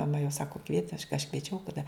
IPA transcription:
mɐˈmɐ jɛʊ ˈsɑːkoː kʋʲiɛtʲɪ ɐʃ ɐʃ kʋʲiɛˈt͡ʃʲɛʊ tɐˈdɐ

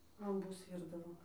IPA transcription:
lˠɐmˈbʊs ˈʋʲiːrdɐʋoː

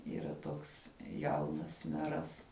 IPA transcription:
iːˈrɐ ˈtoːks ˈjɛʊnɐs ˈmʲæːrɐs

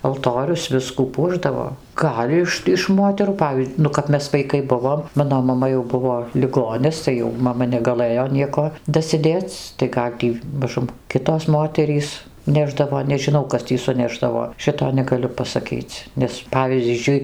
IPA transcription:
ɐlˠˈtoːrʲʊs ˈʋʲɪskuː ˈpuɔʒdɐʋoː ˈɡɐlʲ ɪʃ ɪʃ ˈmoːtʲɛruː ˈpɑːʋʲiː ˈnʊ kɐp ˈmʲɛs ʋɐɪˈkɐɪ ˈbʊʋoːm ˈmɑːnoː mɐˈmɐ jɛʊ ˈbʊʋoː lʲɪˈɡoːnʲɪs tɐɪ ˈjɛʊ mɐˈmɐ nʲɛɡɐˈlˠɘjoː ˈnʲiɛkoː dɐsʲɪˈdʲeːt͡s tɐɪ ˈɡɐlʲ tʲiː mɐˈʒʊm ˈkʲɪtoːs ˈmoːtʲɛrʲiːs ˈnʲæːʒdɐʋoː nʲɛʒʲɪˈnɐʊ ˈkɐs tʲiː sʊˈnʲæːʒdɐʋoː ˈʃʲɪtoː nʲɛɡɐˈlʲʊ pɐsɐˈkʲiːt͡s ˈnʲɛs ˈpɑːʋʲiːzʲd͡ʒʲʊɪ

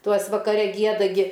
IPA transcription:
ˈtuɔs ʋɐkɐˈrʲɛ ˈɡʲiɛdɐ ˈɡʲɪ

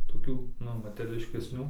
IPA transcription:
toːˈkʲuː ˈnʊ mɐtʲɛrʲɛlʲɪʃʲkʲɛsʲˈnʲuː

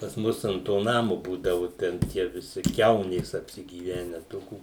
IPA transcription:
pɐs ˈmʊs ɐnt ˈtoː ˈnɑːmʊ ˈbuːdɐʋʊ ˈtʲɛn tʲiɛ ʋʲɪˈsʲɪ ˈkʲɛʊnʲeːs ɐpʲsʲɪɡʲiːˈʋʲæːnʲɛ ˈtoːkʲuː

